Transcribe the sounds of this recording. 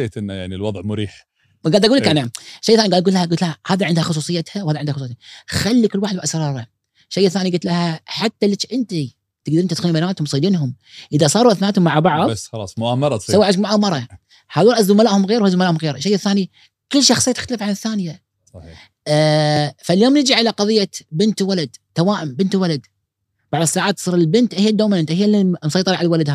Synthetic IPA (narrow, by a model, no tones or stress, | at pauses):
eːt̪ʔɪnːajaʕnilwɑðˤʕmʊɾiːħ | ɡaːd̪ʔaɡulːkʔanaʃejːaθaːiɡad̪ɡut̪lahaʔɡʊt̪lahahaːðaʕɪnd̪haxʊs̬ˤuːsˤɨjat̪hawhaːðaʕɪnd̪hxʊsˤujːt̪axalːikɪlːwaːħɪd̪bʔasɾˤɑːɾˤɑ | ʃːejːaθːaːniɡʊt̪lahaħat̪ːalːit͡ʃʔɪnt̪i | t̪ɪɡ̚d̪ɾint̪t̪xalːibanaːt̪hʊmsˤiːd̪iːnɦʊm | ʔəðasˤɑːɾˤuʔaθnaːt̪hʊmːaʕabɑʕðˤɑlɑ̰ːsˤmʊʔaːmɑɾˤɑawːaʕamʊʔaːmɑɾˤɑ | haːðuɾɑʔazːʊmalaːʔhʊmɣeːɾwhazʊmalaʔhʊmɣeːɾʃːejːaθːaːni | kɪlːʃɑxsˤɨjːt̪ɪxt̪alɪfʕanɪθːaːnɪja | faljoːmnɪd͡ʒiʕalaqɑðˤɨjːabɪnt̪walad̪t̪ːawaːʔɪmbɪnt̪walad̪ | b̥aʕðˤɨsːaːʕaːt̪ːsˤiːɾlbɪnt̪ʔhɪjːad̪ːoːwmanʔɪnt̪ahɪjːalːimsˤɑjt̪ˤɨɾˤɑʕalalwalad̪ha